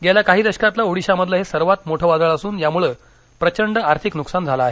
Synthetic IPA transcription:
ɡelakaɦiːd̪əɕkat̪lauɽiɕaməd̪ʱləɦesəɾʋat̪moʈʰəʋad͡z̪əɭəsuːnjamuɭəː | pɾət͡ɕəɳɖəaɾt̪ʰiknuksand͡zʱalaːɦe

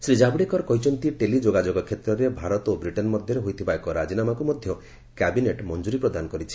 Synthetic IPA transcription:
sɾid͡ʒabɽekɔɾɔkɔjt͡ʃʰɔnt̪iʈelid͡ʒoɡad͡ʒɔɡɔkʰːet̪ɾɔɾebʱaɾɔt̪obɾiʈenmɔd̪ʱjɔɾeɦojt̪ʰibaekɔɾad͡ʒinamakumɔd̪ʱjɔ | kɛbineʈmɔnd͡ʒuɾipɾɔd̪anɔkɔɾit͡ʃʰi̥

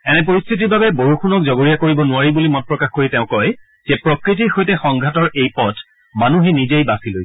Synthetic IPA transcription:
ɛnɛp̬oɹist̪ʰitiɹbabɛboɹuxunɔk̚zɔɡoɹijakoɹibɔnʊaɹibulimɔn̚pɹɔkaxkoɹitɛʊ̃kɔj | z̥ɛpɹɔkɹit̬iɹxojtɛxɔŋɡʱatɔɹejpɔt | manuɦɛnizejbasiloj

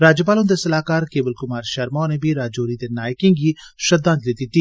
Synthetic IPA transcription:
ɾaːd͡ʒəp̬aːlõʊnd̪eːsəlaːkaːɾkeːbəlkʊmaːɾʃəɾmãːneːbʱiːɾaːd͡ʒoːɾiːd̪eːnaːjkɪ̃ŋɡiːʃəd̪ãːt̪liːd̪ɪt̪ːiː

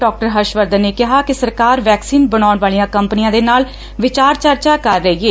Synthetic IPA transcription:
ɖɔːk̚ʈəɾɦəʃʋəɾd̪əneːkɪɦaːkɪsəɾkaːɾʋɛːksiːnbəɽaːʊɳʋaːɭijãːkəmpənɪjãːd̪eːnaːl | ʋɪt͡ʃaːɾt͡ʃəɾt͡ʃaːkəɾːəieː

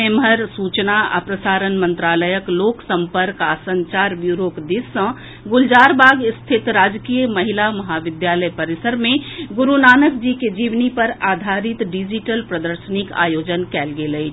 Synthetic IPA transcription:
eːmɦəɾsuːt͡ʃnaə̰pɾəsaːɾənmə̃nt̪ɾaːləjəkloːksə̃mpəɾkasə̃ɲt͡ʃaːɾbjuːɾoːkd̪ɪsə̃ | ɡʊld͡ʒaːɾbaːɡɪst̪ʰɪt̪ɾaːd͡ʒkijmɐɦɪlamɐɦaʋɪd̪jaːləjpɐɾɪsəɾmẽɡʊɾunaːnəkd͡ʒiked͡ʒiːʋnipəɾaːd̪ʱaːɾɪt̪ɖid͡ʒiʈəlpɾəd̪əɾʃənɪka̰ːjoːd͡ʒənkɛːlɡeːləi

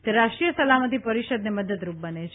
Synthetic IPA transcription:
t̪eɾaʃʈɾijəsəlamət̪ipəɾiʃəd̪neməd̪əd̪ɾup̚bənet͡ʃʰ

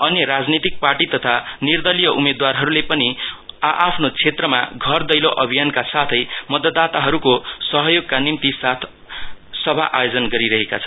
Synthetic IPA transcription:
ʌnjɾad͡znit̪ik̚parʈit̪ʌt̪ʰanird̪ʌlijʌʔumed̪warɦʌɾulepʌniʔapʰnot͡sʰet̪rʌma̰ɡʱʌrd̪ʌjloʔʌbʱijankasat̪ʰʌjmʌd̪ʌd̪ːat̪aɦʌɾukosʌɦʌjoɡ̚kanimt̪isat̪ʰ | sʌbʱaʔajod͡zʌnɡʌɾiɾʌɦekat͡sʰʌ̥n

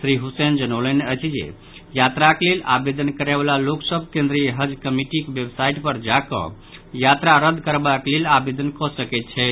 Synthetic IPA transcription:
sɾiɦusend͡ʒənəwləneət͡ʃʰd͡ʒḛ | jat̪ɾaklelabed̪ənkəɾɛbalaloksəbʱkẽnd̪ɾiɦəd͡ʒkəmiʈikbjebsaiʈpəɾd͡ʒakɔ̰̃ | jat̪ɾaɾəd̪ʱkəɾbaklelabed̪ənkɔsəkɛt̪̚t͡ʃʰɛ

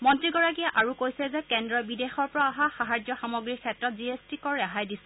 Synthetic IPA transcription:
mɔntɹiɡɔɹak̬ijɛʔaɹukojsɛzɛkɛndɹɔjbidexɔɹpɔɹaaɦaxaɦaɹd͡ʒɔxamoɡɹikʰɛtɹɔt̚ziestikɔɹɛaɦajdisɛ

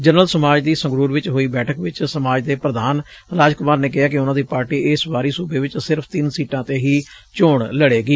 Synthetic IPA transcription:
d͡ʒənəlsəmaːd͡ʒd̪iːsə̃ŋɡɾuːɾʋɪt͡ʃɦoːiːbɛːʈʰəkʋɪt͡ʃsəmaːd͡ʒd̪eːpɾəd̪aːn | ɾaːd͡ʒkʊmaːɾneːkɪɦaːk̬ɪʊnãːd̪iːpaːɾʈiːɪsbaːɾiːsuːbeːʋɪt͡ʃsɪɾpʰt̪ɪnsiːʈãːt̪eːɦiː | t͡ʃoːɳləɽeːɡiː

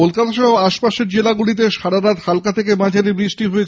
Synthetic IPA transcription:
olkat̪aʃɔɦobaʃpaʃeɾd͡ʑelaɡulit̪̬eʃaɽaɾaɾhalkat̪ʰekemad͡ʑʱaɾibɾiʃʈiɦoet͡ɕʰ

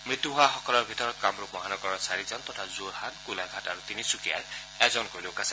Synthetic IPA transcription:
mit̪uɦuaxɔkɔlɔɾbʱit̪ɔɾɔt̪kamɾumɔɦanɔkɔɾɔsaɾizɔnt̪ɔt̪ʰazoɾɦankulaɡʱataɾut̪inisukia̰j | ɛzɔnkolokas

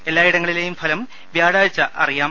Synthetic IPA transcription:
e̞lːaːiɽɐŋːɐɭile̞ːjumfʰɐlɐm | ʋjaːɽaːjt͡ɕːɐʔɐrijaː

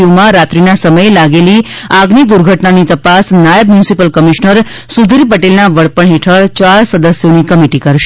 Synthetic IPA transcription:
omãɾat̪ɾinasəməjelaɡeli | aɡnid̪uɾɡʱəʈnanit̪əpasnajəbmjunsipəlkəmiʃnəɾ | sud̪ʱiɾipəʈelnaʋəɽpəɳɦeʈʰəɭt͡ʃaɾsəd̪əsjonikəmiʈikəɾʃe

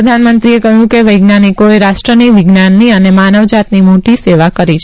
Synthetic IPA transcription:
əd̪ʱanmənt̪ɾiekəɦjũkeʋəjɡnanikoeɾaʃʈɾəniʋɪɡnanːiənemanəʋd͡ʒat̪nimoʈiseʋakəɾit͡ʃʰ

